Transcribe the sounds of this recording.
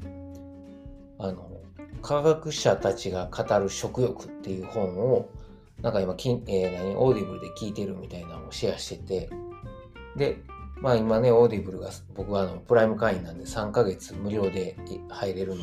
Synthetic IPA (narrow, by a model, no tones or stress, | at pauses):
ano̞ | kʰaɡakɯ̟ɕat̪at͡ɕiɡakʰat̪aɾɯ̟ɕo̞kɯ̟jo̞kɯ̟̥t̪ːe̞jɯ̟ːhõ̞ɴ̃o̞ | nãŋkaimakʲienaɲ̟iʔo̞ːd̪ibɯ̟ɾɯ̟d̪ekʲiːt̪e̞ɾɯ̟mʲit̪ainaoɕiaɕi̥t̪e̞t̪e̞ | d̪e̞maːimane̞o̞ːd̪ibɯ̟ɾɯ̟ɡa | bo̞kɯ̟βaːno̞pɯ̟ɾaimɯ̟kaĩnːãnd̪e̞sãŋkaɡe̞t͡sɨmɯ̟ɾʲo̞ːd̪e̞haiɾe̞ɾɯ̟̃nd̪